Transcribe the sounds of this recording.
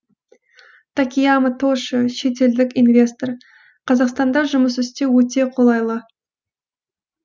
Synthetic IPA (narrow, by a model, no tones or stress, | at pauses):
t̪ʰakʲijamət̪ʰoʃəʃe̞t̪̬e̞ld̪ɪkʲinvʲe̞st̪o̞r | qʰɑzɑqst̪ɑnd̪ɑʒʊməsʏst̪e̞wɵt̪̬e̞qʰo̞lˠɑjlˠə